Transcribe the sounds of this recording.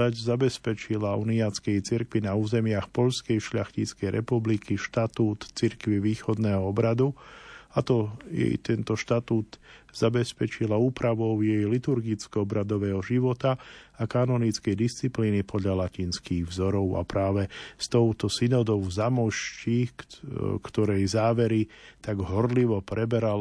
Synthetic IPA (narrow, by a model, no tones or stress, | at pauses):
aɟzabɛspɛt͡ʃilaṵniat͡skɛjt͡siɾkʋinauːzɛmɪaxpɔʎskɛjʃʎaxciːt͡skɛjɾʔɛpublikiʃt̪at̪uːt̪t͡siɾkʋiʋiːxɔd̪nɛːɦɔɔbɾad̪uat̪ɔjɛ̰jt̪ɛnt̪ɔʃt̪at̪uːt̪z̥abɛspɛt͡ʃilauːpɾaʋɔʊjɛjlit̪uɾɡit͡skɔɔbɾad̪ɔʋɛːɦɔʒiʋɔt̪aakanɔnit͡skɛjd̪ist͡sipliːnipʰɔd̪ʎalaciːnskiːɣvzɔɾɔʊa̰pɾaːʋɛst̪ɔʊt̪ɔsinɔd̪ɔʊzamɔʃci | kt̪ɔɾɛjzaːʋɛɾit̪aɡɦɔɾliʋɔpɾɛbɛɾal